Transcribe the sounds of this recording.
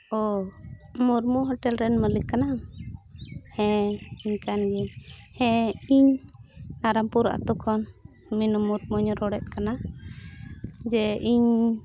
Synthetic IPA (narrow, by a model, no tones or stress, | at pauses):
ɔ | muɾmɔɦɔʈɛlɾɛnməlikana | hɛ̃iɲkanɡɛɲhɛ̃iɲnaɾampuɾʔa̰t̪ɔkʰɔn | minɔmuɾmɔɲɔɾɔɽɛt̪̚kana | d͡ʒɛʔiɲ